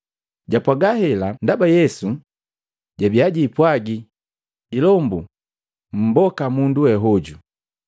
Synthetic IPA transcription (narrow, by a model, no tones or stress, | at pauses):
ɟapwaɡahɛlandabajɛsu | ɟabiaɟiːpwaɡiː | lɔmbu | m̩bɔkamunduwɛɦɔɟu